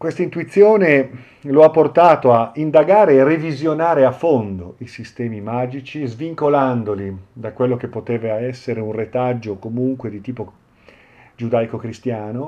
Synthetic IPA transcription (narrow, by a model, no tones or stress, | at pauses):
kwest̪aint̪uit̪sːjoːne | loapːort̪aːt̪oaind̪aɡaːɾeːrevizjonaːɾeafːond̪oisist̪ɛːmimaːd͡ʒit͡ʃizviŋkoland̪olid̪akwelːok̟epːot̪eːvaɛsːeɾeunret̪ad͡ʒːokomuŋkwed̪it̪iːpo | d͡ʒud̪ajkokɾist̪jaːno